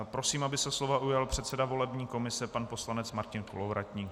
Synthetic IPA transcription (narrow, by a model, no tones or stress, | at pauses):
pɾo̞siːmabɪsɛslo̞vaʔujalpr̝̥ɛt̪sɛdavo̞lɛbɲiːko̞mɪsɛpanpo̞slanɛt͡smaɾcɪnkolovɾac̪ɲiːk